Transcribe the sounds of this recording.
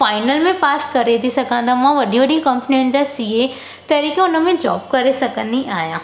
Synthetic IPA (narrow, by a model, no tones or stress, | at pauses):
faːɪnəlmẽpaːskɐɾed̪isɐkãːnd̪amãʋɐɗiʋɐɽikɐ̃mpniʊnɪ̆d͡ʑasiɦe | t̪ɐɾiːkẽʊnəmẽd͡ʑɔ̰ːbkɐɾesɐkə̃nd̪iaːjãː